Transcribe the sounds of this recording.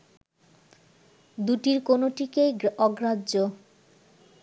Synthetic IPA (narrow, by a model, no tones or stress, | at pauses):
d̪uʈiɾkonoʈikejɔɡɾao